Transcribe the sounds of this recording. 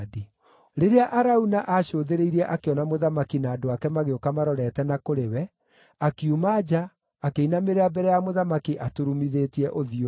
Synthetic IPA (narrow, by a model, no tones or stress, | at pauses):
di | ɾeɾeaʔaɾaunaʔaɕoːðeɾeiɾɛʔakeɔnamoðamakinaːdoakɛmaɣeokamaɾɔɾɛtɛnakoɾewɛ | akjumad͡ʑaː | keinameɾeabɛɾɛjamoðamakiʔatuɾumiðeːtiɛʔoðio